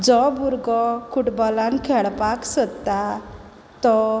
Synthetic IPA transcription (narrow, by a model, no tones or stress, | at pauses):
d͡zɔbuɾɡɔkʰuʈbɔlãnkʰɛɭpaksət̪a | t̪ɔ